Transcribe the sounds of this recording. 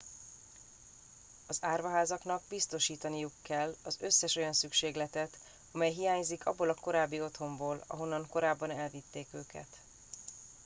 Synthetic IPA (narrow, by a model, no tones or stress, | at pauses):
ɒzaːrvɒɦaːzɒknɒɡbist̪o̞ʃiːt̪ɒnijukːɛlːɒzø̞sːɛʃo̞jɒnsykʃeːɡlɛt̪ɛt̪ | ɒmɛjɦijaːɲzikʰɒ̰bːoːlɒko̞ɾaːbːio̞t̪ho̞mboːlɒ̰ɦo̞nːɒŋko̞ɾaːbːɒnɛlvit̪ːeːkøːkɛ̰t̪